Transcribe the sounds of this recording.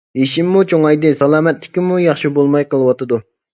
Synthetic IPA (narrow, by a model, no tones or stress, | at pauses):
eʃimːut͡ʃʰoŋɑjd̪ɨsɑlˠɑːmɛt̪lɪ̥kʲimujɑχʃibolˠmɑjqəlˠɨwɑt̪ɨd̪u